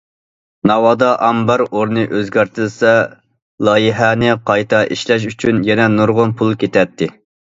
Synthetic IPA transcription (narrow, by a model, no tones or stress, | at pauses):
nɑwɑːd̪ɑʔɑmbɑɾoɾnɨʔøzɡʲæɾt̪ʰɪlsɛ | lˠɑːjiɦɛnɪqʰɑjt̪ʰɑʔiʃlɛʃ̬yt͡ʃʰynjɛnɛnuɾʁʊnpʰulˠkʲet̪ʰɛt̪ʰːɪ